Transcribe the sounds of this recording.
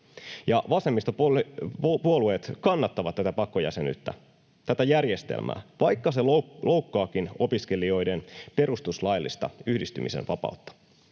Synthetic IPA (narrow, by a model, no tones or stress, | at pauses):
jɑʋɑse̞mːist̪ɑp | puolueːt̪kɑnːɑt̪ːɑʋɑt̪tæt̪æpɑkːojæ̰seny̰t̪ːæ̰ | t̪æt̪æjærje̞st̪ḛlmʔæ̰ːʋɑjkːɑse̞llʔo̞wkːɑːkino̞pisk̟e̞lio̞jde̞npe̞ɾust̪uslɑjlːḭst̪ɑ̰yhdist̪ymʔḭsḛnʋɑpɑ̰ut̪ːɑ̥